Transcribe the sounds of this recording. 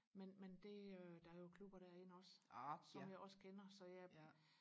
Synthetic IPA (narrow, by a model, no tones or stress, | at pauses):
menmend̥e̝ød̥ɑæɐjo̝kʰlub̥ɐɾ̥æɐe̝nəɒ̽ssɒ̽mjɑ̈ɪɒ̽sə̥kʰenɐsɒ̽jæ